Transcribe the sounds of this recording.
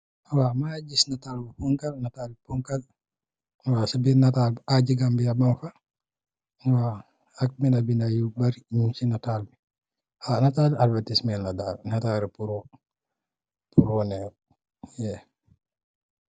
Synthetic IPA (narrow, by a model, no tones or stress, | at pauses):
wamad͡ʒisnataːlbapɔŋkalnatalipɔŋkal | wasabinatalbʔad͡ʒiɡambiabamfa | waː | k̚mɛnabinajubaɾiɲusinataːlbi | anataːlialbatismɛlnadalnataɾipuɾɔ | puɾɔnɛ | jɛ